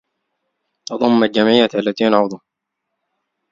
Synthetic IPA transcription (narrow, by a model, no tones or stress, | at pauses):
t̪ɑðˤʊmːald͡ʒamʕɪjːaalːat̪iːanʕʊðˤuh